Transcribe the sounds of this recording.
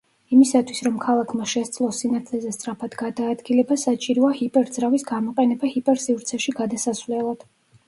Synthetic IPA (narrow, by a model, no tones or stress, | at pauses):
imisat̪ʰwisɾɔmkʰalˠakʰmaʃɛst̪sʼlˠɔsinat̪ʰlɛzɛst̪ʼɾapʰad̪ɡad̪aːd̪ɡilɛbasat͡ʃʼiɾɔahipʼɛɾd̪zɾavisɡamɔqʼɛnɛbahipʼɛɾsivɾt̪sʰɛʃiɡad̪asasvlɛlˠad̪̥